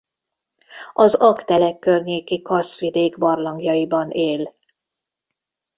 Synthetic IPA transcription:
ɒzɒkt̪ɛlɛkːørɲeːkikɒrsʋid̪eːɡbɒrlɒŋɡjɒibɒneːl

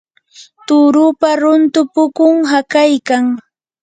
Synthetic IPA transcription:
t̪ʊɾʊpaɾʊnt̪ʊpʊkʊŋɦakajkaŋ

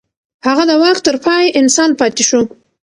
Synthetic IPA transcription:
haɣad̪əwaxt̪ːəɾpɑjʔɪnsɑnpɑt̪ɪʃu

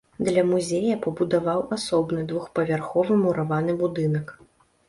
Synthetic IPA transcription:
d̪lʲɐmuzʲejɐpɐbud̪avawʔasɔbnɨd̪vuxpɐvʲarxɔvɨmuɾavanɨbud̪ɨnɐk

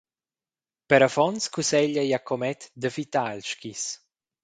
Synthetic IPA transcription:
pəɾafɔnskusɛʎajakʰɔmɛt̪d̪əfit̪alʃkis

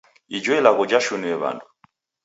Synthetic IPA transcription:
id͡ʒɔɛlaɣɔd͡ʒaʃuniɛβa̰ndu

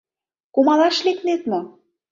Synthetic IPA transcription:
komɑlɑʃleknet̪mɤ

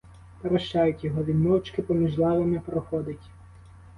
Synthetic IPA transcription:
pɐɾɐʃt͡ʃajʊtʲjɔɦɔʋʲinɔwt͡ʃkɪpɔmʲiʒlˠɑʋemɪpɾɔxɔd̪ɪtʲ

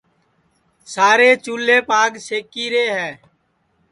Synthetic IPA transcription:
saːɾeːt͡ʃuːlːeːpaːɡseːkiːɾeːɦɛː

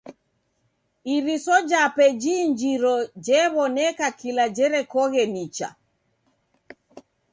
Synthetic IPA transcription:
iɾisɔd͡ʒapɛd͡ʒiːɲd͡ʒiɾɔd͡ʒɛβɔnɛkakilad͡ʒɛɾɛkɔɣɛnit͡ʃa̰

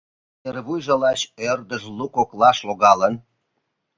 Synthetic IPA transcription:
erβujʒə̆lɑɕørd̪əʒlukoklɑʃloɣɑlən

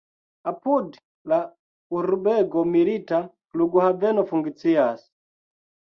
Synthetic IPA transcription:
apud | la | uɾubɛɡɔmiɾita | luɡuhavɛnɔfuŋɡit͡siasi̥

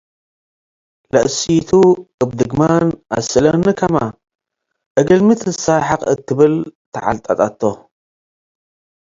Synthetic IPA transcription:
lɐʔsit̪ʰuʔabd̪ɨɡmana̰sɨlɐnɨkʰɐma | ʔɐɡɐlmɨt̪ʰɨsaħɨqʼɨ̰t̪ʰːɨβɨlt̪ʰɐʕa̰lt̪ʼat̪ʼat̪ʰːo

